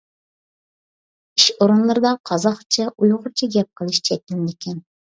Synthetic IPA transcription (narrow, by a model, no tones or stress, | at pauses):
iʃoɾunlˠɨɾɨd̪ɑqʰɑzɑχt͡ʃʰɛʔujʁʊɾt͡ʃʰiɡʲɛp̚qʰəlˠɨʃt͡ʃʰɛt̪ʲɪld̪ɪkʲʰɛn